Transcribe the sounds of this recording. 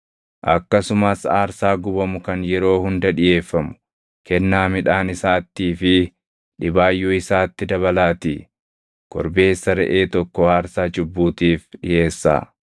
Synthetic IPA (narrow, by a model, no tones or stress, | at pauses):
ʔɐ̰kːɐsʊmɐsaːɾsaːɡʊbɐmʊkɐnjɛɾo̞ːhʊnd̪ɐᶑɪjeːfːɐmʊ̥ | kɛnːaːmɪᶑaːnɪsaːt̪ːiːfɪ | ᶑɪbaːjːuːɪsaːt̪ːɪd̪ɐβɐlaːt̪iː | kɔ̰ɾbe̞ːsːɐɾɛ̰ʔe̞ːt̪ɔkːɔaːɾsaːt͡ʃʊbːuːt̪iːfᶑɪje̞ːsːa̰ː